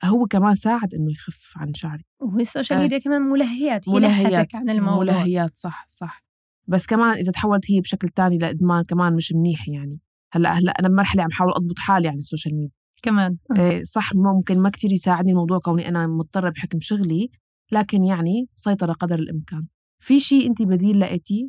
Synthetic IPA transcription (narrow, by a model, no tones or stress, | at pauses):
hʊwːekamaːnsaːʕɪd̪ʔɪnːʊjxafʕa̰nʃaʕɾiwhsːoːʃalmiːd̪jakamaːnmʊlaɦɪjaːt̪mʊlaɦːɪjːaːtanɪlmmʊlaɦːɪjaːt̪sˤɑħsˤɑħ | basːkamaːnʔɪzat̪ħawːalt̪hɪːbʃaklt̪aːnilaʔɪd̪maːnkamaːnmɪʃmniːħjaʕni | halːa̰ʔhalːa̰ʔanabmɑɾˤħaleʕambħaːwɪlʔɑd̪̚ˤbʊt̪ˤħaːliʕanɪsːoːʃalmiːd̪jakamaːnːsˤɑħmʊʊmkɪnmakt̪iːɾjsaːʕɪd̪nilmɑwd̪ˤuːʕkawniʔanamʊt̪̚ˤd̪ˤɑrˤɑbħɪkmʃʊɣli | laːkɪnjaʕnibsˤɑjt̪ˤɑɾˤɑqɑd̪ɾɪlʔɪ̰mkaːn | fiʃiːʔɪnt̪ibad̪iːlːaʔɪt̪i